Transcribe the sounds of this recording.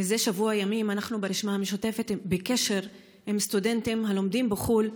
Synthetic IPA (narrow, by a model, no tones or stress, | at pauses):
ezeʃavuajamimanaχnubeɾiʃmameʃote̞fet̪beke̞ʃe̞ʁ | he̞mst̪ude̞ntimɦalo̞md̪imbeχul